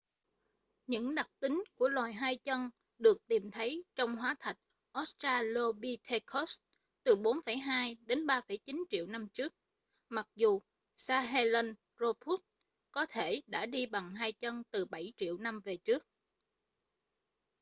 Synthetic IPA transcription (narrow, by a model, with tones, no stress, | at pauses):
ɲɨ̰˧˥ŋɗa˨˩k̚t̪ï˨˦ŋku˧˩əlwaː˨˩jɦaː˧jt͡ɕə˧n | ɗɨ˨˩ək̚t̪i˨˩mt̪ʰə˨˦jt͡ɕɔ˧wŋ͡mɦwaː˨˦t̪ʰa˨˩jt̟̚ | ʔɔ˦˥s̚t͡ɕaː˧lo˧ɓi˧t̪ʰe˧kʰɔ˦˥s | t̪ɨ˨˩ɓo˨˦nfə˧˩jɦaː˧jɗe˨˦nɓaː˧fə˧˩jt͡ɕi˨˦nt͡ɕḭ˧˨əwna˧mt͡ɕɨ˦˥ək̚ | ma˨˩k̚zu˨˩ | saː˧ɦɛ˧lə˧n | zo˧p̪ʰu˦˥t̚ | kɔ˨˦t̪ʰe˧˩ɗa̰ː˧˥ɗi˧ɓa˨˩ŋɦaː˧jt͡ɕə˧nt̪ɨ˨˩ɓa˧˩jt͡ɕḭ˧˨əwna˧mve˨˩t͡ɕɨ˦˥ək̚